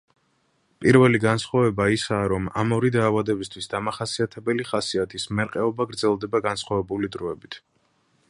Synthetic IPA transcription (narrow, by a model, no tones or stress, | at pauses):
pʼiɾvɛliɡansχwavɛbaisaːɾɔmamɔɾid̪aːvad̪ɛbist̪ʰwisd̪amaχasiat̪ʰɛbɛliχasiat̪ʰismɛɾqʼɛɔbaɡɾd̪zɛlˠd̪ɛbaɡansχwavɛbulid̪ɾɔɛbit̪ʰ